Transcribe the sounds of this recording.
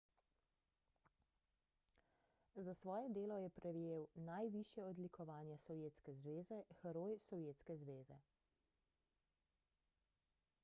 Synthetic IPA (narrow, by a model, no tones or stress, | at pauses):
zasʋɔːjɛd̪eːlɔjɛpɾʔɛʋjeːwnajʋiʃjɛɔd̪likɔʋaːnjɛsɔwjeːt̪skɛzʋeːzɛxɛɾoːjsɔwjeːt̪skɛzʋeːzɛ̰